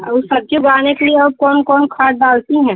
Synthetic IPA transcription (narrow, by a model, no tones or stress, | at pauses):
ʊsɐb̚t͡ʃebaːnekelieɐb̚kɔːnkɔːnkʰaːʈ̚ɖaːlt̪iɦɛ̃ː